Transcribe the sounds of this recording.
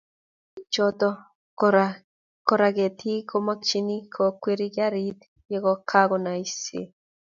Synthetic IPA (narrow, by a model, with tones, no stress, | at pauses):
t͡ʃɔ˦t̪ɔ˦ | ɾa | kɔ˨ɾa˨ɡe˨t̪ʰi˦kʰo˦ma˦kt͡ʃi˦ni˦kʰɔ˨kwe˦ɾi˦kja˦ɾi˦t̪ | je˦kɔ˨kʰa˦ɡɔ˨na˨i˦sḛ˨